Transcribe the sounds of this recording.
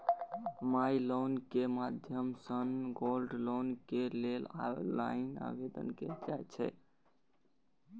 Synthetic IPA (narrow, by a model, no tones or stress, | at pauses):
mailonkemad̪ʱjəmsənɡolɖlonkelelala̰ina̰bed̪ə̰nked͡ʒajt͡ʃʰɛ̰